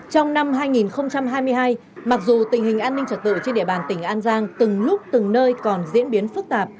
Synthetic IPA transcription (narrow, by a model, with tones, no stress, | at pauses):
t͡ɕɔ˧wŋ͡mna˧mɦaː˧jŋi˨˩nxə˧wŋ͡mt͡ɕa˧mɦaː˧jmɨ˧əjɦaː˧j | ma˨˩k̚zu˨˩t̪ï˨˩ŋ̟hï˨˩ŋ̟ʔaː˧nːï˧ŋ̟t͡ɕə˨˩t̚t̪ɨ̰˧˨t͡ɕe˧nɗḭ˧˩əɓaː˨˩nt̪ï˧˩ŋ̟ʔaː˧nzaː˧ŋt̪ɨ˨˩ŋlʊ˦˥k͡p̚t̪ɨ˨˩ŋnəː˧jkɔ˨˩nzḭ˧˥nɓi˨˦ənfɨ˦˥k̚t̪aː˨˩p̚